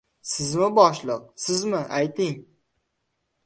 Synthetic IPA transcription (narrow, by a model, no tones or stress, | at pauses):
sɪzmɪbɒʃlˠɨq̚sɪzmɪʔajt̪ɪŋ